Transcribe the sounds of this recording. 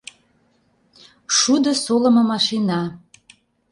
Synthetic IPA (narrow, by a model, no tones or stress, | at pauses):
ʃud̪ŏsolə̆mɤ̆mɑʃinɑ